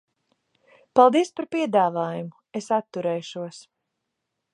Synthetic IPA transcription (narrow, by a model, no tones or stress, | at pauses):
palˠd̪iɛspaɾpiɛd̪aːvaːjumu | esat̪ːuɾɛːʃuɔs